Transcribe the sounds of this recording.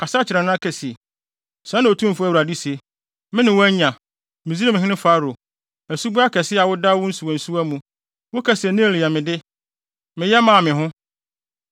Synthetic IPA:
kʰa˨sa˦t͡ɕʰɪ˨ɾã˨nʊ̃˦a˦kʰɛ˨si˨e˨ | sã˦nã˨o˨tʰũ˦m˦fʊ˦æ˦wɾa˨di˦se˨ | mɪ̃˦nɪ̃˨wʊ˦ɲã˨ | mɪ̃˨zi˦a˦mɪ̃˨ɦɪ̃˦nɪ̃˦fa˨˦ɾo˨ | æ˨su˦bu˦a˦kʰɛ˨sɪ˦a˨wʊ˦da˦wʊ˦n̩˦su˨ɔ̃˨n̩˨su˦æ˦mũ˨ | wʊ˦kʰɛ˨sɛ˨nɪ̃˦˨li˨a˨mɪ̃˨dɪ˦ | mɪ̃˨jɛ˦mã˨mɪ̃˨ɦʊ̃˦

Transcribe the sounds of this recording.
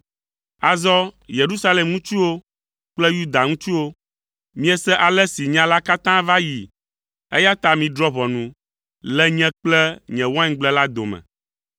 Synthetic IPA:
a˨zɔ˦je˨ɾu˦sa˦le˨mŋũ˦t͡ʃu˦wo˦ | k͡plɛ˦ju˦d̪a˨ŋũ˦t͡ʃu˦wo˦ | mĩ˦ɛ˦sɛ˦ʔa˨lɛ˦si˨ɲã˦la˦ka˦t̪ã˦va˦ji˨ | ḛ˦ja˦t̪a˨mĩ˨d̪ɾɔ˦βɔ˨nũ˨ | lɛ˦ɲɛ̃˦k͡plɛ˦ɲɛ̃˨wã˦ŋ˦ɡ͡blɛ˦la˦d̪o˨mɛ̰̃˨

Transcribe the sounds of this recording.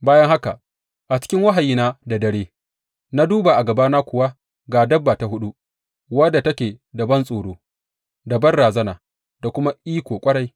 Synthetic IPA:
baː˦jɐ˦ŋha˦ka˨ | ʔa˨t͡ʃɪ̥˦kʲɪ˦ŋwɐ˦ɦa˨jiː˦naː˦da˨dɐ˨ɽeː˦ | na˦duː˦ba˨ʔa˨ɡɐ˨baː˦na˦kʷʊ˨wa˦ | ɡaː˨dɐ˦bːaː˨ta˨hʊ˦ɗu˦ | wɐ˦da˨tɐ˦kʲeː˨dɐ˨bɐ˦nsʼoː˨ɽoː˦ | dɐ˨bɐ˦nɽaː˨zɐ˦naː˨ | d̥a˨kʷʊ˦ma˦ʔiː˦kʷoː˨kʷʼɐ˦ɽa˦j

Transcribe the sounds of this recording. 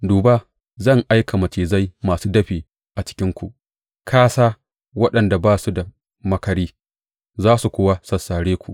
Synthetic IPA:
duː˨ba˦ | zɐ˦˨ŋʔa˦jkʰa˨mɐ˨t͡ʃeː˨za˦jmaː˨suː˦dɐ˦ɸiː˨ | ʔa˨t͡ʃɪ̥˦kʲɪ˦ŋkʷu˨ʔ | kʰaː˦saː˦ | wɐ˦ɗɐ˨nda˨baː˦su˦da˨ | mɐ˦kɐ˨ɾiː˦ | zaː˦su˨kʷʊː˦wa˦sɐ˨sːaː˨ɽeː˦kʷu˨ʔ

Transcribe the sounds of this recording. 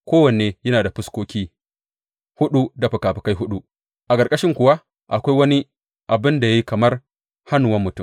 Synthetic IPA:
kʷoː˦wɐ˨n˨eː˨jɐ˦naː˨da˨ɸɪ˦skʷoː˦kʲiː˦ | hʊ˦ɗu˦da˨ɸɐ˨kaː˨ɸɪ˨ka˦jɦʊ˦ɗu˦ | ʔa˨kʼɐ˨ɾkʼɐ˦ʃɪ˦ŋkʷʊ˨wa˦ | ʔa˨kʷa˦jwɐ˦ni˦ | ʔa˨bɪ˦nda˨ja˦ji˦kɐ˨mɐ˦r | ha˦nu˨wɐ˦mːʊ˨tʊ˦˨m

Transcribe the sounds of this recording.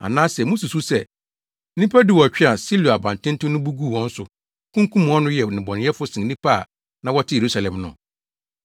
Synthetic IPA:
a̰˨nãː˦sɛ˨mũ˦su˨su˦sɛ˦˨ | nĩ˦pʰa˦di˦˨wɔ˨æ˨t͡ɕᶣɪ˦a˨si˦lu˨a˨bã˨n˨tʰɪ̃˦n˦tʊ̃˦nʊ̃˦bu˦ɡu˦˨wɔ̃˦n̩˦sʊ˨ | kʰũ˦ŋkʰũ˦m̃˨ɔ˦nʊ̃˦jɛ˨nɪ̃˨bɔ˨nɪ̃˨˦ɛ˦fʊ˦sɪ̃˨nĩ˦pʰa˦˨ | nã˦wɔ˦tʰɪ˦je˨ɾu˦sa˨lɛ̃˨mnʊ̰̃˨

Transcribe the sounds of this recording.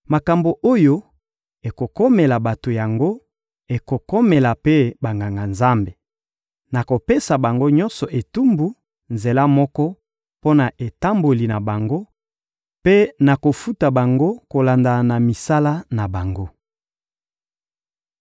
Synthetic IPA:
ma˨ka˨mbo˨ʔo˦jo˦ | e˨ko˨kɔ˦me˨la˨ba˨to˨ja˨ŋɡo˦ | e˨ko˨kɔ˦me˨la˨pe˦ba˨ŋɡa˨ŋɡa˨nza˦mbe˨ | na˨ko˨pe˦sa˨ba˨ŋɡo˦ɲɔ̃˦nsɔ˨ʔe˨tu˦mbu˨ | nze˨la˦mɔ˦kɔ˦ | po˦na˨ʔe˨ta˦mbo˨li˨na˨ba˨ŋɡo˦ | pe˦na˨ko˨fu˦ta˨ba˨ŋɡo˦ko˨la˨nda˨na˨mi˨sa˦la˦na˨ba˨ŋɡo˦

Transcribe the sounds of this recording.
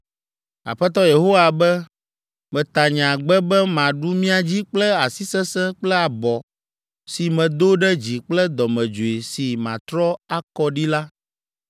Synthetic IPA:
a̰˨ɸɛ˦t̪ɔ˦je˨ɦo˦wa˨bɛ˦ | mɛ̃˨t̪a˨ɲã˨ɡ͡bɛ˦bɛ˦mã˨ɖu˦mĩ˦a˨d͡ʑi˦k͡plɛ˦a˨si˦sɛ˦sɛ̃˦k͡plɛ˦a˨bɔ˨ | si˨mɛ̃˨d̪o˦ɖɛ˦d͡ʑi˨k͡plɛ˦d̪ɔ˨mɛ̃˨d͡ʒo˨e˨si˨mã˨t̪ɾɔ˦a˦kɔ˦ɖi˦la˦

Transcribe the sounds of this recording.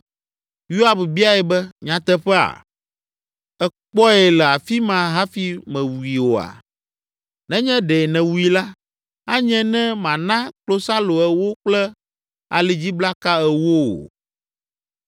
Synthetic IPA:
ju˦a˨bbi˦a˦ɛ˨bɛ˦ɲã˨t̪ɛ˦ɸɛ˦a̰˨ | ɛ˨k͡pɔ˦ɛ˨lɛ˨a˨fi˦mã˨ɦa˦fi˦mɛ̃˨wu˨i˨wo˨a̰˨ | nɛ̃˦ɲɛ̃˦ɖɛ˨nɛ̃˨wu˨i˨la˦ | a˦ɲɛ̃˦nɛ̃˦mã˨nã˦klo˦sa˦lo˨ɛ˨wo˦k͡plɛ˦ | a̰˨li˨d͡ʑi˦bla˦ka˦ɛ˨wo̰˦o̰˨

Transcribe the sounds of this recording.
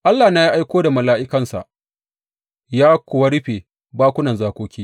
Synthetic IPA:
ʔa˦lːaː˨na˦ji˦ʔa˦jkʷoː˦da˨mɐ˨laː˦ʔɪ˦kɐ˨nsa̰˨ʔ | jaː˦kʷʊ˨wɐ˦ɽɪ˦ɸeː˨ | baː˦kʷʊ˦nɐ˨nzaː˦kʷoː˦kʲiː˦

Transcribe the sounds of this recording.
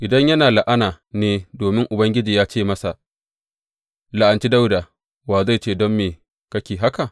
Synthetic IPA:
ʔɪ˨dɐ˦ɲjɐ˦naː˨la˨ʔa˦naː˨ | neː˦doː˨mɪ˦ŋʔʊ˨bɐ˦ŋɡʲɪ˦d͡ʒiː˨jaː˦t͡ʃeː˦˨mɐ˦sa˨ | la˨ʔa˨nt͡ʃi˦da˦wdaː˨ | waː˨za˦˨jt͡ʃeː˦˨dɔ˦mːeː˨ | kɐ˦kʲeː˨ɦa˦ka˨ʔ

